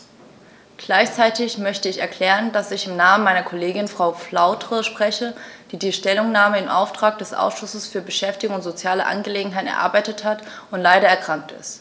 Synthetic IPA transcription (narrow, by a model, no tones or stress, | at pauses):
ɡ̥laɪçt͡saɪtɪçmœçtəɪçɛɐkʰl̥ɛːʁəndasɪçɪmnaːmənmaɪnɐkʰoleːɡɪnfʁ̥aʊflaʊtʁ̥əʃpʁ̥ɛçəd̥iːdiːʃtɛlʊŋnaːməɪmʔa̰ʊftʁ̥aːk̚d̥ɛsʔa̰ʊsʃʊsəsfyːɐbəʃɛftɪɡoŋʊntz̥ot͡sjaːləʔa̰nɡəleːɡŋ̩ɦaɪtn̩ɛɐʔa̰ɐbaɪtəthat | ʊntlaɪɾɐɛɐkʁ̥aŋk̚tɪ̰st